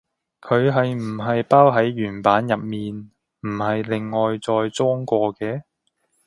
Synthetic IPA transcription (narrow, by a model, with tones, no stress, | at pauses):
kʰɵ˨˧ɥɦɐ˨jm̩˨˩ɦɐ˨jpaː˥wɦɐ˨˥jɥyː˨˩npaː˨˥njɐ˨p̚miː˨n | m̩˨˩hɐ˨jlɪ˨ŋːɔː˨jt͡sɔː˧jt͡sɔː˥ŋkʷɔː˧kɛː˧